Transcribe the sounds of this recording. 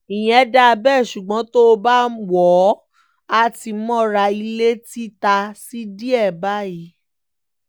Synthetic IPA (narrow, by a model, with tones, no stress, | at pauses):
i˨j̃ɛ̃˨˦da˧bɛ˦˨ʃu˨ɡ͡bɔ̃˨˦to˦o˧ba˦wɔ˨˦ | a˧ti˧˦mɔ̃˦ɾa˧i˧le˦ti˦ta˧si˦di˦ɛ˦˨ba˦ji˨˦